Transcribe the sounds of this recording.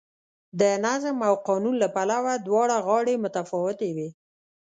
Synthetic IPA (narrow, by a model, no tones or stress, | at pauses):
d̪ənazmawqɑnunlapalawad̪wɑɽaɣɑɽemʊt̪afɑwɪt̪ewe